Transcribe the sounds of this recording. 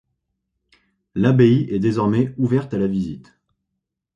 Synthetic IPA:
labeiʔɛd̪ezɔʁmɛuvɛʁt̪alavizit̪

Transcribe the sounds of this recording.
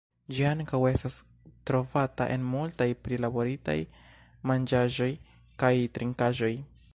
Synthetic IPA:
d͡ʒiaŋkawe̞stas | tɾo̞vata̰ʔe̞̰nmultajpɾilabo̞ɾita̰j | mand͡ʒaʒo̞j | kajtɾiŋkaʒo̞j

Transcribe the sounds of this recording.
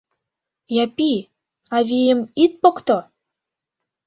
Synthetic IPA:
jɑpi | ɑvijəmit̪̚pokt̪o

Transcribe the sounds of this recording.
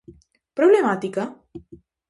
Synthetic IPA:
pɾoblemat̪ika

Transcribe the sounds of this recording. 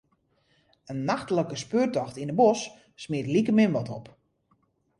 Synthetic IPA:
ənːaxtələkəspøːrtɔxtinəbɔsː | miətlikəmɪmʋɔtɔp

